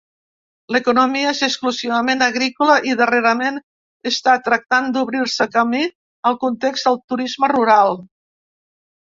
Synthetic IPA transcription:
ləkunumiəezəkskluziβəmenəɣɾikuləʔiðəreɾəmen | əst̪at̪ɾək̚t̪and̪uβɾiɾsəkəmi | əlˠkunt̪ekzd̪əlˠt̪uɾizməruɾalˠ

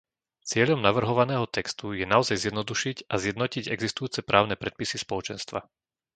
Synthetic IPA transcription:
t͡sɪɛʎɔmnaʋr̩ɦɔʋanɛːɦɔt̪ɛkst̪ujɛnaɔzajzɪjɛd̪nɔd̪uʃicʔazjɛd̪nɔciɟɛ̰ɡzist̪ujuːt͡sɛpɾʔaːʊnɛpɾɛt̪̚pisispɔlɔt͡ʃɛnst̪ʋa̰

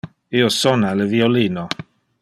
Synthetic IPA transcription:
iːosɔnalevioliːno

